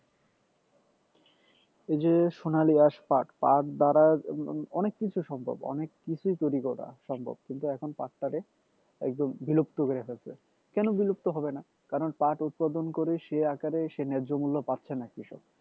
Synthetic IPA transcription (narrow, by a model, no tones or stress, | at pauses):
ed͡ʑeʃonaliaʃpaʈpaʈd̪aɾaɔnekːit͡ɕʰuʃɔmbʱo̰bɔ̰nekːit͡ɕʰujt̪ojɾikot̪a̰ʃɔmbʱo̰b̚kint̪uɛkʰonpaʈːaɾe | ɛ̰k̚d̪ombilup̚t̪okoɾeɦoet͡ɕʰe | kɛnobilup̚t̪oɦɔbena | kaɾonpaʈut̪̚pad̪onkoɾeʃeakaɾeʃenɛd͡ʑomulːopatːɕʰenɛkːiʃɔ̰b